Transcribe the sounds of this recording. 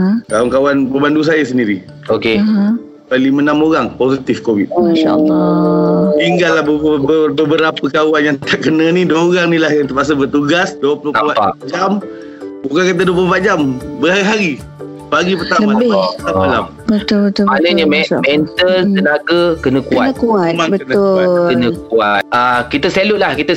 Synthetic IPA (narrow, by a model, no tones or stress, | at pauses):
kawankawanbəbandus̬ajəs̬əndiɾi | oke | bəlimənamoɾaŋposit̪ifkowit̪aa̰l | t̪iŋɡalːahbbəbəɾapəkawanjaŋt̪aʔkənənidoɾaŋnĩlahjaŋt̪əpas̬əbərt̪uɡasduəpəlohpbad͡ʒam | bukankat̪̬əduəplobat̪̚d͡ʒambəhaɾiɦaɾi | baɡip̬ərt̪aləmbɪaala̰m | bət̪ʊlbət̪ʊmanəɲəmɛmɛnt̪əlk̪ənaɡəkənə̃kuatəkuamanbəkətnʊkənə̃k̚uat̪̚akit̪əselʊʔ̪̚lahkit̪ə